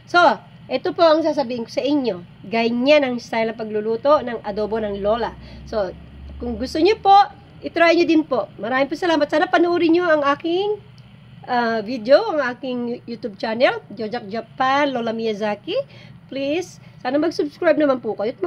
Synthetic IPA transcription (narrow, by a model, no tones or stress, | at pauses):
so̞ | ʔɛt̪opo̞ʔɐŋs̬aːs̬ɐbiːhɪŋko̥sɐʔɪɲːo̞ | ɡɐɲanɐŋst̪ajlnɐpɐɡlʊluːt̪o̞nɐŋʔɐd̪oːbo̞nɐŋlo̞ːlɐso̞ | kʊŋɡʊst̪oɲopo̞ʔ | ʔɪt̪ɾajɲod̪ɪnpo̞ʔmɐɾaːmɪŋpʊsɐlaːmɐt̪̚saːnɐpɐnʊʔuːɾɪɲoʔɐŋaːkɪŋ | ʔavid̪eoʔɐŋʔaːkɪŋjut̪ub̚t͡ʃanɛld͡ʒod͡ʒɐk̚d͡ʒɐpanlolɐmijɐzakiplisːaːnɐmɐɡsʊbskɹajb̚nɐmanpʊkɐjot̪̚mɐ